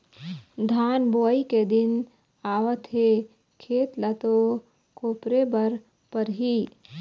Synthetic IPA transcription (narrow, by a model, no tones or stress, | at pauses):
d̪ʱaːnboːiked̪ɪn | aːʋət̪ɦe | kʰeːt̪lɐt̪o | koːpɾebəɾ | pəɾɦi